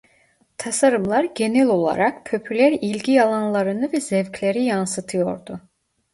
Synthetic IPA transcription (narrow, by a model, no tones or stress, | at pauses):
t̪ʰasaɾɯmlˠaɾɟe̞nɛlʲo̞lˠa̰ɾak̚pʰøpʰylʲæɾilʲɟʲijalˠanlˠaɾɯnɯvɛzɛvcʰlʲeɾijansɯt̪ʰɯjo̞̰ɾd̪u